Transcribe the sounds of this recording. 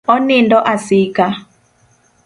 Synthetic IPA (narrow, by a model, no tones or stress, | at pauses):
ɔnɪndɔʔasɪka